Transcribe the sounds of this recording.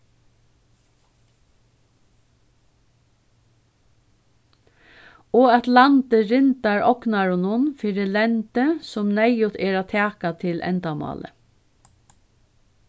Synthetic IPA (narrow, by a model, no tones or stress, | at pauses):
oːɑt̪lant̪əɾɪnt̪aɹɔknaɹʊnʊnfiːɾɪlɛnt̪əsʊmnɛjʊt̪ʰeːɹat̪ʰæːkat̪ʰɪlʔɛ̰nt̪amɑ̰ːlə̰